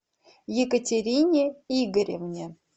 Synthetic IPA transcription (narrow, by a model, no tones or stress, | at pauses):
jekətʲeɾʲinʲeiɡəɾʲemnʲe